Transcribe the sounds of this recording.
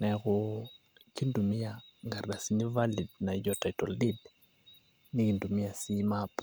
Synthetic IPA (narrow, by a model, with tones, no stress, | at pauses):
nɛ˨kɔ˨ | ki˦ndu˨mɪ˦ja˨ŋɡa˨rda˨si˦ni˦va˦li˨dna˨d͡ʒɔ˨ta˨i˨tɔ˨ldi˦d | ni˦ki˨ndu˨mi˦a˨si˦map